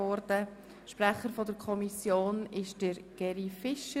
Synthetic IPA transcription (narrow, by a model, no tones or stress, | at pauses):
ɔɾdə | ʃpɾɛχəɾfɔdəɾkʰɔmisjoːnɪʃd̥əɾɡ̥ɛɾifɪʃə